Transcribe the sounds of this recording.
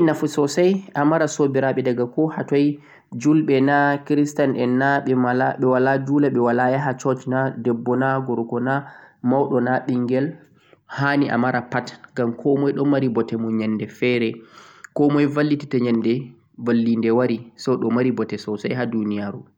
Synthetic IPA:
inafusɔsajʔamaɾasobiɾaɓɛdaɡakɔhatɔj | d͡ʒulɓɛnakɾistanɛnːaɓɛmalaɓɛwalad͡ʒuːlaɓɛwalajaɦat͡ʃɔt͡ʃnadɛbːɔnaɡɔɾkɔnamawɗɔnaɓiŋɡɛl | haniʔa̰maɾapatɡamkʰɔmɔjɗɔmaɾibɔtɛmɔɲanːdɛfɛɾɛkɔmɔjvalːititaɲandɛ | valːindɛwaɾisɔɗɔmaɾibɔtɛsɔsa̰jɦadunijaɾu

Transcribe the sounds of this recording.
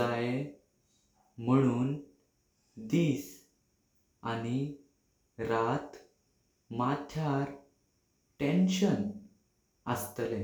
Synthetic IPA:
ae | m̤əɽ̃uːn | d̪iːs | aɽ̃i | ɾat̪ | mat̪ʰjaɾ | ʈẽnɕən | əst̪əle

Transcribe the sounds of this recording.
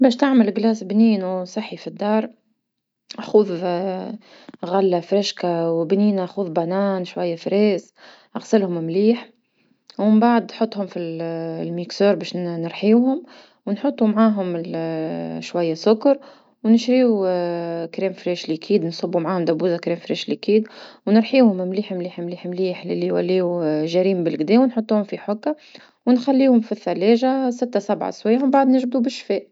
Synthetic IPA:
bɛːʃt̪ɪʕməlɡlæːsbniːnusˤɨħːifid̪ːɑːɾˤ | ʔxuːð | ɣalːafɾɪʃkawbniːnaxuːðbanaːnʃwajːafɾɛːs | ʔaɣsɪlhʊmmliːħ | wɪmbaʕd̪nħot̪ˤːhʊmfillmiksoːɾbɛːʃnɪɾħiuhʊm | wnħot̪ˤːumʕaːɦʊmɪ | ʃwæjːasʊkɑɾ | wnɪʃɾiːu | kɾɛːmfɾɛːʃlikʰiːd̪nsˤɑbːumʕaːhʊmd̪æbuːzakɾɛːmfɾɛːʃlikiːd̪wnəɾˤħiːwhʊmɪmliːħmliːħmliːħmliːħlɪ̰liwælːiːuʒæɾiːmbɪlɡd̪ɛːwnħot̪ˤːuːhʊmfiħʊkːa | wnxælːiːhʊmfiθːælɛːʒasɪt̪ːasabʕa̰swæjːwmbaʕd̪nɪʒbd̪ubɪʃːfɛːʔ

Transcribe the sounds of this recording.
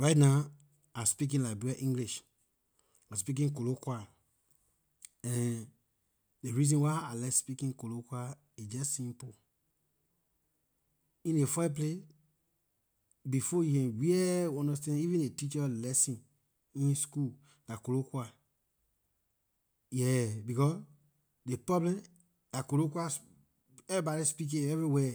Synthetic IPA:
ɹaɪtna | aspik̬ĩnlakbuaʔĩŋɡliʃ | aspik̬ĩnkolokwa | ɛ̃n | deɹizɔ̃nwaɪalɛspikĩnkolokwa | id͡ʒɛssĩmpo | ĩnefap̬le | bifɔjikɛ̃nwiɛɔ̃ndɔstɛ̃nivĩnetit͡ʃɔlɛsĩn | ĩnskul | dakolokwa | jɛbikɔs | depɹɔblɛ̃m | d̥akolokwas | ɛvibɔɾispik̬ĩɛvɹiwɛ

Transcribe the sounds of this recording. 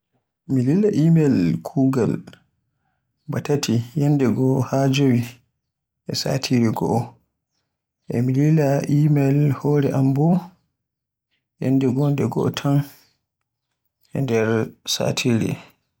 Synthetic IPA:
mililːaʔimɛlkʰuːɡal | batatʰijandɛɡɔhad͡ʒowi | ʔɛsa̰tʰiɾiɡɔ̰ | ʔɛ̰mililaʔimɛlhɔːɾɛʔambɔ | jɛ̰nːdɛɡɔndɛɡɔ̰tʰan | ʔɛ̰ndɛɾsa̰tʰiɾḭ

